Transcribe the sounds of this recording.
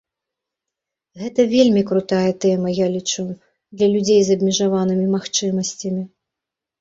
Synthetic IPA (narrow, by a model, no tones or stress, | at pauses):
ɣɛt̪ɐvʲelʲmʲikɾut̪ajɐt̪ɛmɐjalʲit͡ʂu | d̪lʲɐlʲud͡zʲejzɐbʲmʲiʐavanɨmʲimaxt͡ʂɨmɐsʲt͡sʲɐmʲi